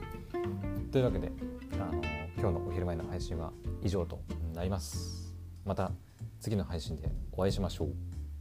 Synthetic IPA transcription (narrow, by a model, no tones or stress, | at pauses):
t̪o̞iɯ̟βake̞d̪e̞̰anokʲo̞ːno̞ʔoçiɾɯ̟maeno̞haiɕĩɰ̃βa̰iʑo̞ːt̪o̞̰naɾʲimasɨ̥ | mat̪a | t͡sɨɡʲino̞haiɕĩnd̪e̞̰o̞aiɕimaɕo̞ː